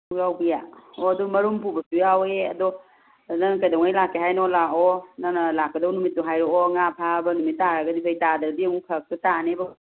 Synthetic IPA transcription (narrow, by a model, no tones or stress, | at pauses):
ɾawbijaɔɐdɔmɐɾumpubɐsujaweɐdɔ | nanɐkajdɔwŋajlakʰːeɦajnɔlaɔnanɐlakːɐdawnumit̚ːɔɦajɾɔɔŋapʰabɐnumit̚ːaɾaɡɐdipʰajtadɐɾdiɐmukʰɐk̚tutaneb